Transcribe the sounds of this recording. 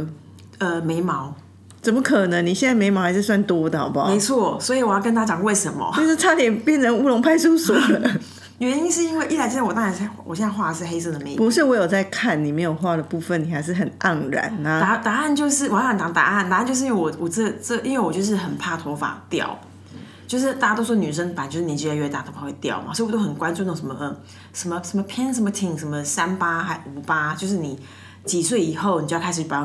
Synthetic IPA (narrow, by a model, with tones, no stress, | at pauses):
ə˧me˧˥ɪmɑ˧˥˦ʊ | t͡sə˨˩mə˧˦kʰɤ˨˩nə˧˦ŋni˨˩ɕjnt͡sa˥ɪme˧˥ɪmɑ˧˥xa˧ɪʂɻ̩˥˧swa˥˩nt̪wɔ˥d̪ə˨˩ɑ̰˨˧˥ba̰˨˦me˧˥ɪt͡sʰwɔ˥˩swɔ˧˥i˨wɔ˨˩jkə˥nt̪a˥a˥t͡ɕjɑ˨˩ŋwe˥˩ɪʂə˧˦nmɐ̰˧o˥ʈ͡ʂʰa˥ljɛ˨˩npjɛ˥˩nt͡sʰə˧˦nu˥lo˧˥ŋpʰa˥˧ɪsu˥˧sɔ˨˩də˦ | ɥɛ˧˥ni˥nʂɻ̩˥˨i˥nwe˥˧ɪʔi˥˩la˧˥t͡ɕt̪ɑ˥˧ɻa˧˥n˥˩wɔ̰˨˩ɕjɛ˥˧na˥˧xwa˥˧˩ʂɻ̩˥˧xe˥ɪs̬ɤ˥˩d̪ə˩me˧˦pu˧˦ʂɻ̩˥˩wɔ˧˥jo˨˩t͡sa˥˧ɪkʰa˥˩nːi˨˩me˧˥ɪjo˨˩xwa˥˩də˩pu˥˧fə˨ni˨˩xa˧˥ɪʂ̬ɻ̩˥˩xə˨˩na˥˩ŋɻa̰˨˩˦na˦a˧˥t̪a˨˧˦a˥˧nt͡ɕjo˥˧ʊʂɻ̩˥˩˨wə˨nt̪ɑ˧˥ŋt̪a̰˨˩˦ʔa˥˩nt̪a˨˧˥nt͡ɕjo˥˧ʂ̬̩˥˧˥wwɔ˨˩wɔ˨˩t͡sə˥t͡sə˥˩ʔi˥nwe˥˩ɪwɔ˨˩t͡ɕjo˥˧ʊʂ̬ɻ̩˥˩xə˨˩nt̪ʰa˥˩t̪ʰɔ˧˥fa̰˨˩t̪jɑ̰˨˩˨ʊ | t͡ɕjo˥˧ʊʂ̬ɻ̩˥˩t̪a˥˩t͡ɕa˧˥t̪o˥ʊswɔ˥˧ny˨˩ʂ̬ə˥ŋpa˨˩nt͡ɕo˥˧ʊʂɻ̩˥˩i˨˩t͡ɕi˥˧˥ɥɛ˥˧˩t̪a˥˩o˧˥fa˨˩˥we˥˩ɪt̪jɑ̰˥˩ʊma̰˨so˧˥˨wɔ˨˩t̪o˥xə˨˩nkwa˥˦nʈ͡ʂo˥˧no˥˩ŋʂə˧˥mə˧ | ʂə˧˥nmə˧ʂə˧˥mə˧pʰjɛ˥nʂ̬ə˧˥mə˧t̪ʰi˧˩ŋʂə˧nmə˧sa˦npa˥xa˧˥ɪu˨˩pa˥t͡ɕjo˥˧ʊʂ̬ɻ̩˥˩ni˨˩˦ | t͡ɕi˨˩swe˥˩ɪi˨˩xo˥˩ʊn˨t͡ɕo˥˧˥kʰa˥ʂ̩ʰ˩y˥˩pa˧˥